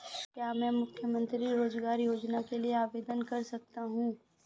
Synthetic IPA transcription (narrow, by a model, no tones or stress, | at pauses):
kjaːmɛ̃ːmʊkʰjəmə̃nt̪ɾiɾoːzɡaːɾjoːd͡ʒnakelieaːʋeːd̪ənkɐɾsɐk̚t̪aɦũː